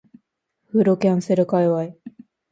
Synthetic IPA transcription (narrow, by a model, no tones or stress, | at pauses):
ɸɯ̟ɾokʲãɰ̃se̞ɾɯ̟kaiβai